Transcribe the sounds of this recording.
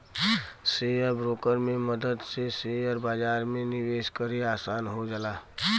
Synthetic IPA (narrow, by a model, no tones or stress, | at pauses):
sejəɾbɾoːkəɾmẽməd̪əd̪seseəɾbaːd͡ʒaːɾmẽnɪʋeːʃkəɾiaːsaːnɦod͡ʒəlaː